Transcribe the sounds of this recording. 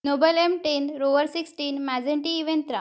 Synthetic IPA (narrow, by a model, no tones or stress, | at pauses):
nobəlemʈenɾoʋəɾsiksʈiːnmad͡zẽɳʈiiʋent̪ɾã